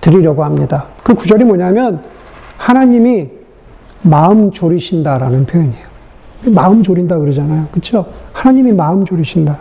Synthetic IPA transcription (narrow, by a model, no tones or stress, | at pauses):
tɯɾiɾjʌɡohamɲidakɯkud͡ʑʌɾimwʌɲamjʌn | hanaɲimi | maɯmt͡ɕoɾiɕʰindaɾanɯnpʰjojeɲejo | maɯmd͡ʑoɾindakɯɾʌd͡ʑanajokɯt͡ɕʰohanaɲimimaɯmd͡ʑoɾiɕʰinda